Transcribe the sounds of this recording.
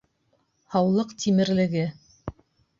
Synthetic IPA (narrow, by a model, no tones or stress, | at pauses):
hɑwlˠɤqt̪ʰimɘ̆ɾlɘ̆ɡɘ